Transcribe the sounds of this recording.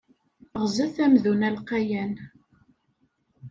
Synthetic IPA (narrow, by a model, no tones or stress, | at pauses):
ʁzæθæmðunælqæjæn